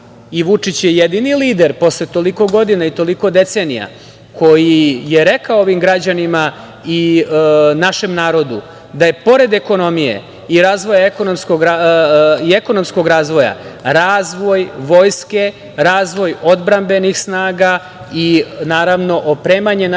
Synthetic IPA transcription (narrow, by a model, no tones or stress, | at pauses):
iʋut͡ʂit͡ɕjejed̪iniliːd̪e̞ɾpo̞slet̪o̞liko̞ɡo̞d̪inait̪o̞liko̞d̪e̞t̪senija̰ | kʰo̞jije̞ɾe̞kaooʋimɡɾad͡ʑanima | i | naʃe̞mnaːɾo̞d̪u | d̪aje̞po̞ɾe̞d̪eko̞no̞mijḛ | iɾaːzʋo̞jaeko̞nomskoɡaieko̞no̞msko̞ɡɾaːzʋo̞ja̰ɾaːzʋo̞jʋo̞ːjske̞ | ɾaːzʋo̞jo̞d̪bɾambe̞nixsnaːɡa | inaːɾaʋno̞ʔopɾeːmaɲe̞n